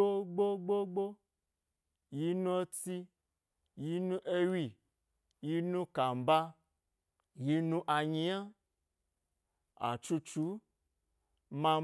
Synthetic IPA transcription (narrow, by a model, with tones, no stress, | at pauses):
o˦ɡ͡bo˦ɡ͡bo˦ɡ͡bo˦ | ji˨˦nũ˦o˦ti˦ | ji˨˦nũ˦ʔe˦wi˦˨ | ji˦nũ˦ka˨m̩˨ba˦ | ji˨˦nũ˦ʔa˨ɲĩ˦a˦ | a̰˨t͡ʃu˧˦t͡ʃu˨˦ | mã˧